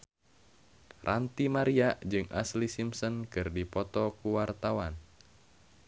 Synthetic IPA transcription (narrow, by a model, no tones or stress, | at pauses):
rʔant̪imaɾiaʔd͡ʒɨŋʔa̰slisimsɔnkɨrdipɔt̪ɔkuwart̪awan